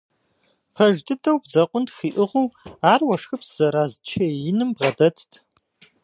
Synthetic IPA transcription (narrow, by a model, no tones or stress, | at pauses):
pʰɐʒdɨdʰɐwbzɐqʷʼʊntxiːʔɨʁʷuwaːrwɐʂxɨpz̥ɐɾaːzt͡ʃʰɐjɪnɨmbʁɐdɐtʰtʰ